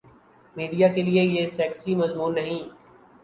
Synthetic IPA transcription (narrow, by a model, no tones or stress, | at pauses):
miːɖijaːkeliejesɛːksimɐzmuːnːɐɦĩː